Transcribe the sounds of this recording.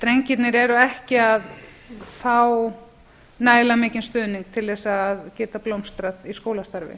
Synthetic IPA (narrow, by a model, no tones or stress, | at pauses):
t̪ɾejɲcɪt̪nɪɾɛɾʏɛhcɪað | faw | naːjlamɪːcɪnst̪ʏːðniŋk̚t̪ʰɪlðɛsaːðcɛːt̪aplowmst̪ɾaðiskowlast̪aɾvɪ̰